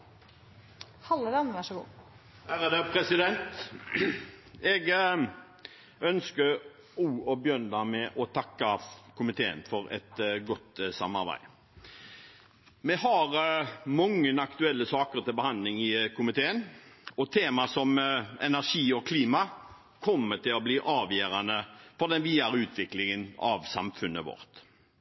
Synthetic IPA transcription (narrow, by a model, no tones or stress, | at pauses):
hɑlːəd̪ɛmʋæʂəɡṵː | hæɾəd̪ɛpʰɾɛsɪd̪ɛnt̪ | ɛɡ | œnskəɾ | uːɔbjœnd̪ɑmɛʔɔt̪ʰɑkːɑkʰʊmɪt̪ʰeːə̰nfɔɾɛ̰t̪ɡɔt̪ːsɑ̰mːɑ̰ɾbæ̰ɪ | mɛhɑɾmɔŋːənɑkt̪ʉɛlːəsɑːkəɾt̪ɪlbəhɑnd̪lɪŋɪkʰʊmɪt̪ʰeːənɔt̪ʰeːmɑsɔmɛ̰næʁʂiːɔkʰliːmɑ | kʰɔmːət̪ɪlɔbliːʔɑːʋjøːɾɑnəfɔd̪ɛnʋiːɑɾəʉːt̪ʰʋɪklɪŋənɑ̰ʋsɑ̰mfʉnːəʋɔ̰ɾt̪